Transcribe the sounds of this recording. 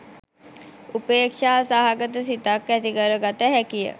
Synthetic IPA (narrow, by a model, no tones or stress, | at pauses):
upeːkʂaːsaɦaɡət̪əsit̪akːæt̪ikəɾəɡat̪əɦɛkijə̰